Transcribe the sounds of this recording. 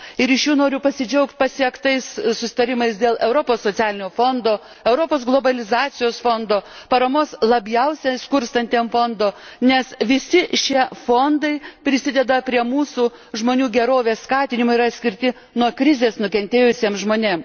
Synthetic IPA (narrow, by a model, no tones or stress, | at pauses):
ɪɾɪʃjuːnoːɾʲʊpɐsʲɪd͡ʒʲɛʊkt̪̚ʲpɐsʲiɛkt̪ɐɪssʊsʲɪ̥t̪ɐɾʲɪmɐɪsd̪ʲeːlˠʔɛʊɾoːpoːsːoːt̪sʲæːlʲɪnʲoːfoːnd̪oː | ɛʊɾoːpoːsɡlˠoːbɐlʲɪzɑːt̪sʲɪjoːsfond̪oːpɐɾɐmoːslˠɐbʲjɛʊsʲɛskʊɾst̪ɐnʲt̪ʲeːmfond̪oːnʲɛsʋʲɪsʲɪʃʲiɛfoːnd̪ɐɪpʲɾʲɪsʲɪd̪ʲɛd̪ɐpʲɾʲiɛmuːsuː | ʒmoːnʲuːɡʲɛɾoːʋʲeːsskɑːt̪ʲɪnʲɪmoːɪɾɐt̪ʲsʲkʲɪɾʲt̪ʲɪ | nuɔkɾʲɪzʲeːsnʊkʲɛnʲt̪ʲeːjʊsʲiɛmʒmoːnʲeːm